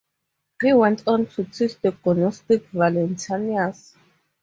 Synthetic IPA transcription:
hiwɛ̃ntʰʼɔ̃ntʰutʰistɔkɔnɔstikvalɛ̃ntʰanias

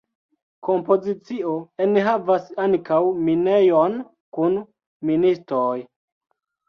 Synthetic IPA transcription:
ko̞mpo̞zit͡sioenɦavasaŋkawmine̞jon | kun | ministɾoj

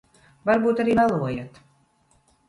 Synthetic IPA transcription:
vaɾbuːt̪aɾiːmalˠuɔjat̪

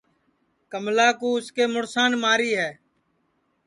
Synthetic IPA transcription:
kəmlaːkuːʊskeːmʊɽsaːnmaːɾiːɦɛː

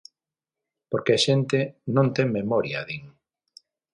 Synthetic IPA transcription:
poɾkeaʃent̪enõnt̪eŋmemɔɾjaðiŋ

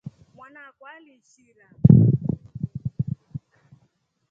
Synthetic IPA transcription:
mwanakwaliʃiɾa

